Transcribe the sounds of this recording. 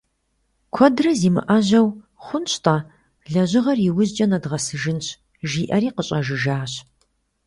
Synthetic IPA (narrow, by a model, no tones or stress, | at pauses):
kʷʰɔdrɐziːmɨ̰ʔɐʑɐw | χʷʊnɕtʼa | ɮɐʑɪʁɐriwʊʑt͡ʃʼɐnɐdʁɐsɨʒɨnɕ | ʒiːʔɐɾiːqəɕʼɐʒɪʒaːɕ